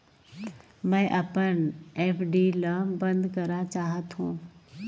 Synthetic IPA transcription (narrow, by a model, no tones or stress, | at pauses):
mɛ̃ʔɐpəneːpʰɖiːləːmbə̃nd̪kɐɾat͡ʃaːɦət̪ɦũː